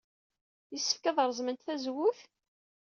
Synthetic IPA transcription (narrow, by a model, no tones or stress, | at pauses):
jisːə̥fkæðəɾˤzˤmənt̪θæzwʊθ